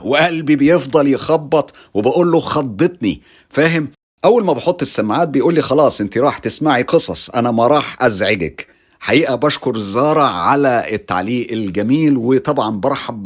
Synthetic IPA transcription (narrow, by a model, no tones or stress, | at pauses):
weʔælbibejefd̪ˤɑljexɑbːɑt̪ˤ | webæʔuːlːoxɑd̪ˤːɨt̪ˤni | fæːɦɪm | ʔæwːælmæbeħot̪ˤːesːæmʕaːt̪̚bejʔuːlːiːxɑlɑːsˤʔent̪iɾˤɑːħt̪ɪsmaʕiqɨsˤɑsˤʔænæmæɾˤɑːħʔæzʕeɡæ̰k | ħaʔiːʔæbæʃkoɾˤzːɑːɾˤɑʕalæet̪ːa̰ʕliːʔelɡæmiːlwet̪ˤɑbʕɑnbɑɾˤħɑb